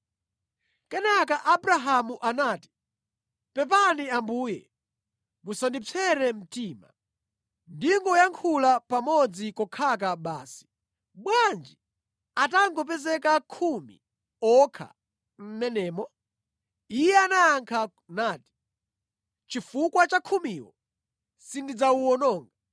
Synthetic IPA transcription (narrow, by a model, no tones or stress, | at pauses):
kɛnakaʔabɾaɦamuʔanaːti̥ | pɛp̬aniambuːjɛ | musandip͡fʰɛɾɛm̩tiːma̰ | ndiŋɡɔjaŋkʰulapamɔd͡zikɔkʰak̬aɓa̰ːsi̥ | ɓwand͡ʒi | ataŋɡɔp̬ɛzɛkakʰumḭ | ɔkʰa̰ | m̩mɛnɛːmɔ | ijɛanajaŋkʰa | naːti̥ | t͡ʃifukwat͡ʃakʰumiːwɔ̰ | sindid͡zauwɔnɔːŋɡa